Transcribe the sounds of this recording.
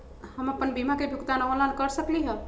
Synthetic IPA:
həməpənbimakebʱjukt̪anaʋəlankəɾsəkliɦə

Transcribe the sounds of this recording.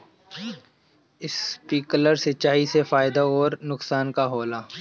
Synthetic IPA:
ɪspiːkləɾsɪt͡ʃaːisefaːɪd̪aoːɾnʊksaːnkaɦoːlaː

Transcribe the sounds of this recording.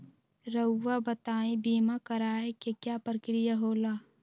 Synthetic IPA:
ɾəʊːabət̪aːĩbiːmakəɾaːekekjaːpɾəkɾijaɦoːlaː

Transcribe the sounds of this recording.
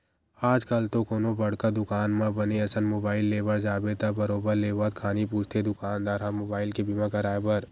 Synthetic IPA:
aːd͡ʒkəlt̪okoːnõbɐɽkad̪ʊkaːnmãbɐneɐsənmoːbaːɪlːeːbəɾd͡ʒaːbet̪abɐɾoːbəɾleːʋət̪kʰaːnipuːt͡ʃʰt̪ʰed̪ʊkaːnd̪aːɾamoːbaːɪlkebʱimãkɐɾaːebəɾ

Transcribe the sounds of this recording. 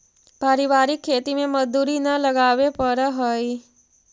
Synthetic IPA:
paːɾiʋaːɾɪkʰːeːt̪imẽmɐzd̪uːɾinɐlɐɡaːʋepəɾɦoi

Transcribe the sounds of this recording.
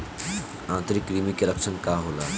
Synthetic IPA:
ãnt̪əɾikːɾimikeləkʃʰənkaɦola

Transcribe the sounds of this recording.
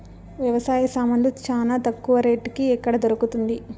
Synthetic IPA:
ʋjɐʋɐsaːjɐsaːmɐnlut͡ʃaːnaːt̪ɐkːuʋɐɾeːʈːkiɛkːɐɽɐd̪oɾukut̪und̪i

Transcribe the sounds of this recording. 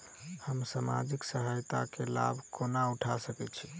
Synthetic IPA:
həmsama̰d͡ʒiksəɦajt̪akela̰bʱkonauʈʰasəkɛt͡ʃʰi

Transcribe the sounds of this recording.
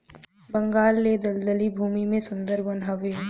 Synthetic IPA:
bɐ̃ŋɡaːlːed̪ɐld̪əlibʱuːmimẽsʊ̃nd̪əɾbɐnaːʋe

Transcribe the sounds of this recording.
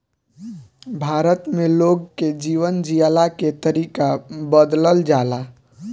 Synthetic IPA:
bʱaːɾət̪meloːɡ̚ked͡ʒiːʋənd͡ʒialaket̪əɾiːkabəd̪ləld͡ʒaːla

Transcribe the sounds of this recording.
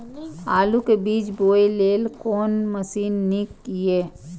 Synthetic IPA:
aːlukebiːt͡ʃboːileːlkɔːnməsiːnːikjeː

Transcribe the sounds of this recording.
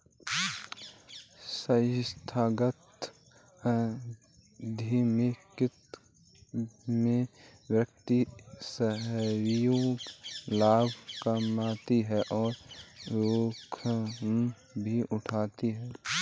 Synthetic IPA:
səst̪ʰaːɡət̪ | d̪ʱimekɪt̪ | mẽwjək̚t̪isəɦɾjoːɡlaːbʱkəmaːt̪iɦɛʔɔːɾɾoːkʰm | bʱiʔʊʈʰaːt̪iɦɛː

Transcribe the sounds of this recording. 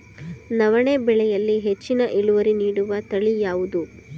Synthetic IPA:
nɐʋɐɳeːbɛɭɛjɐlːiɦet͡ʃːinɐʔeɭuʋɐɾiniːɽuʋɐt̪ɐɭijaːʋud̪u

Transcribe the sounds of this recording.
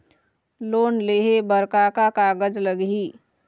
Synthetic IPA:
loːnleːɦebəɾkakakaːɡəd͡ʒləɡɦiː

